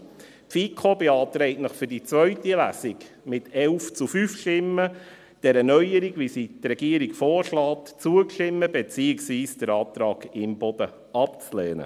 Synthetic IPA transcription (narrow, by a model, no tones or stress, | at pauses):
tfikʰobeɑːt̪ɾɛɪtnəχfʏɾdit͡svœɥtilæsɪk | mɪtɛlft͡sufyfʃtɪmːə | d̥ɛɾənœjəɾiɡʋisitɾɛɡ̥iəɾiɡfɔːɾʃlɑːt̪t͡suəkʃtɪmːəbɛt͡siəksʋiːsd̥əɾɑːt̪ɾɑːɡɪmbɔd̥̪ə | ɑpt͡slɛːnə̰